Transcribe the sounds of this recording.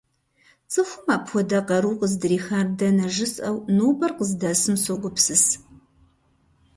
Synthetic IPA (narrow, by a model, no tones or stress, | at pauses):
t͡sʼɨxʷʊmaːpxʷɔdɐqɐɾuːqəzdɨriːxaːrdɐnɐʒɪsʼɐwnoːbɐrqəzdɐsɨmsoɡʷʊpsɨs